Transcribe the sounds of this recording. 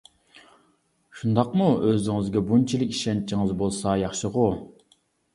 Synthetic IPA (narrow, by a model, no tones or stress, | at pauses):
ʃund̪ɑqmuøzɪŋɪzɡʲɛbunt͡ʃʰilɪkʲi̥ʃɛnt͡ʃʰiŋɨzbolˠsɑjɑχʃəʁʊ